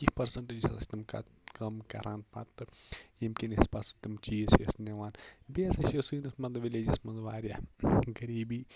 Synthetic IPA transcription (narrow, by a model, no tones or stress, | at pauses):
kipɐɾsɐɳʈed͡ʒisɐlɐ̰sʲt̪ɐmkɐ̰ | kɐmkɐ̰ɾaːnpa̰t̪ːɨimkʲinespɐsut̪ɐmt͡ʃiːsɐ̰sneʋaːnbeːsɐʃɐsɨːnɐsmɐnd̪ɐʋileːd͡ʒɐsmɐnzʋaːɾjaɡɐɾiːbiː